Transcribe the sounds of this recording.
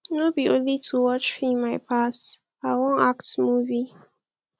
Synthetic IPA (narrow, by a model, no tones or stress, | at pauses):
nobiõnlitʰuwɔt͡ʃfĩnmaɪpʰas | aɪwõnaktmuvi